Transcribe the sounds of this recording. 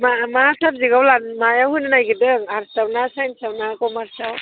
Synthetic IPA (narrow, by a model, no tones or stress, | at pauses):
mamasap̚ziɡawlanmajawɦujnɯnajɡidɯŋaɾstawnasajnsawnakɔmaɾsaw